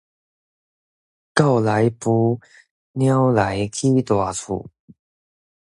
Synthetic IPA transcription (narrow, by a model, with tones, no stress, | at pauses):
ka˥˩wla˨˦jpu˧ | nja˦˥wla˨˦jkʰi˦t̪wa˨˩t͡sʰṵ˨˩